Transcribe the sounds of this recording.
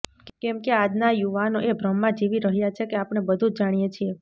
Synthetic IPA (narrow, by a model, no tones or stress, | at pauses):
kɛmkead͡ʒnajuʋanoʔebɾəmːãd͡ʒiʋiɾəɦjat͡ʃʰekeapɽ̃ebəd̪ʱũd͡ʒaɽ̃ijet͡ʃʰie